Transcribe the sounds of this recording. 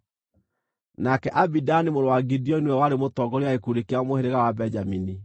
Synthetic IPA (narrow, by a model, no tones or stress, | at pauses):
nakɛʔabidanimoɾowaɡidiɔinwɛwaɾemotɔɡɔɾiaekuɾekeamoheɾeɣawabɛd͡ʒamini